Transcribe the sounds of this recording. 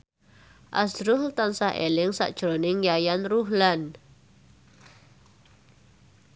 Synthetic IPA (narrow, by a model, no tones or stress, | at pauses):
ʔa̰sɾʊɦt̪ansahʔḛlɪŋsa̰ʔd̥ʒ̥ɾonɪŋjajanruɦlan